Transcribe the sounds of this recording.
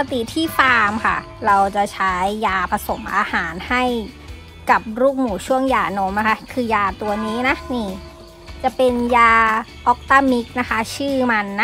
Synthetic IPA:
a˧t̪i˨˩t̪ʰiː˥˩faː˧mkʰa̰˥˩ | ɾa˧wt͡ɕa˨˩t͡ɕʰa˦˥jːaː˧pʰa˧so˩˦mʔaː˧haː˩˦nha˥˩j | ka˨˩p̚ɾuː˥˩k̚muː˩˦t͡ɕʰu˥˩əŋjaː˧no˧˦˥mna˧˦kʰa˦˥kʰɯː˧jaː˧t̪u˧ɐniː˦˥na˦˥niː˥˩ | t͡ɕa˨˩pe˧njaː˧ʔɔː˦˥k̚t̪aː˥˩mi˦˥k̚na˦˥kʰa˦˥t͡ɕʰɯː˥˩ma˧nː˦

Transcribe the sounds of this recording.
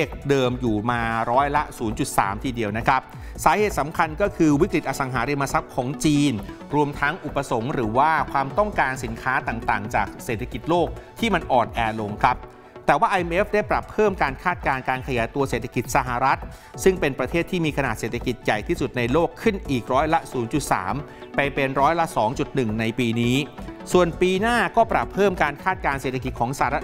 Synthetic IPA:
eː˥˩k̚dɤː˧mjuː˨˩maː˧ɾɔː˦˥jla˦˥suː˩˦nt͡ɕu˨˩t̪̚sa̰ː˩˦mt̪ʰiː˧˩di˧əwna˦˥kʰa˦˥p̚ | saː˩˦heː˨˩t̪̚sa˩˦mkʰa˧nkɔː˥˩kʰɯː˧wi˦˥kɾi˨˩t̪̚ʔa˧˩sa˨˦ŋɦaː˩˦ɾi˧ma˧sa˦˥p̚kʰɔː˩˦ŋt͡ɕiː˧n | ɾu˧əmt̪ʰa˦˥ŋʔu˨˩pːa˧so˩˦ŋɾɯː˩˦waː˥˩kʰwaː˧mt̪ɔ˥˩ŋkaː˧nsi˩˦nkʰaː˦˥t̪aː˨˩ŋt̪aː˨˩ŋt͡ɕa̰ː˨˩k̚seː˨˩t̪ʰa˧ki˨˩t̪̚loː˥˩k̚t̪ʰiː˥˩ma˧nʔɔː˨˩nʔɛː˧lo˧ŋkʰa˦˥p̚ | t̪ɛː˨˩waː˥˩ʔa˧je˧mʔe˦˥fda˥˩jpɾa˨˩pʰːɤː˥˩mkaː˧nkʰaː˥˩t̪̚kaː˧nkaː˧nkʰa˧jaː˩˦jt̪u˧ɐseː˨˩t̪ʰːḁ˧ki˨˩t̪̚sa˧ɦa˨˩ɾa˦˥t̪̚ | sɯ˥˩ŋpe˧npɾa˧t̪ʰeː˥˩t̪ʰːiː˥˩miː˧kʰa˧naː˨˩t̪̚seː˨˩t̪ʰa˧ki˨˩t̪̚ja˨˩jt̪ʰiː˥˩su˨˩t̪̚na˧jloː˥˩kʰːɯ˥˩nʔiː˨˩k̚ɾɔː˦˥jla˦˥ʔsuː˩˦nt͡ɕu˨˩t̪̚sa̰ː˩˦m | pa˧jpe˧nɾɔː˦˥jla˦˥sɔː˩˦ŋt͡ɕu˨˩t̪̚nɯ˨˩ŋna˧jpiː˧niː˦˥su˨˩ənpiː˧naː˥˩kɔː˥˩pɾa˨˩pʰːɤː˥˩mkaː˧nkʰaː˥˩t̪̚kaː˧nse˨˩t̪ʰa˧ki˨˩t̪̚kʰɔː˩˦ŋsa˧ha˨˩ɾa˦˥

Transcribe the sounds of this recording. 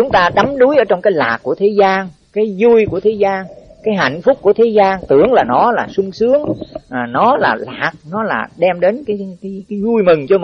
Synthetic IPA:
t͡ɕʊ˨˦ŋ͡mt̪aː˧ɗa˨˦mɗu˨˦jʔəː˧˩˦t͡ɕɔ˧wŋ͡mkaː˨˦jlaː˨˩k̚kːu˧˩ət̪ʰe˨˦zaː˧nkaː˨˦jzu˧jku˧˩ət̪ʰe˨˦zaː˧nkaː˨˦jɦa̰˧˨jŋ̟fʊ˦˥k͡p̚kːu˧˩ət̪ʰe˨˦zaː˧nt̪ɨ˧˩əŋlaː˨˩nɔ˨˦laː˨˩sʊ˧ŋ͡msɨ˨˦əŋ˨˩nɔ˨˦laː˨˩laː˨˩k̚nɔ˨˦laː˨˩ɗɛ˧mɗe˨˦nkaː˨˦jkːkaː˨˦jzu˧jmɨ˨˩ŋt͡ɕɔ˧m˨

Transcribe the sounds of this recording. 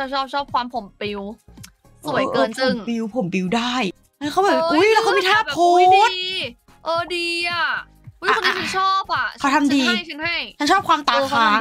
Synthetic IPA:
a˥˩t͡ɕʰɔː˥˩p̚t͡ɕʰɔː˥˩p̚kʰwaː˧mpʰo˨˩˦mpi˧w | su˨˩˦jʔkɤː˧˩npo˨ɯ˩˧˦ŋpi˧wpʰo˨˩˦mbi˧wdaː˥˩j | ʔa˦˥˩kʰa˦˥bɔː˨˩ʔu˧˦˥jlɛ˦˥kʰa˦˥mi˧˩t̪ʰaː˥˩pʰuː˧˦˥t̪ː | ʔɤː˧diː˧ʔa˨˩˧ | a˨˧n˦˧˥t͡ɕʰɔː˥˩p̚a˨˩a˦˥t̪ʰa˧mdiː˧˥˩ɯ˧nha˥˩jt͡ɕʰa˥nt͡ɕʰɔː˥˩kwaː˧mt̪aː˨˩˧kʰaː˧˦˥

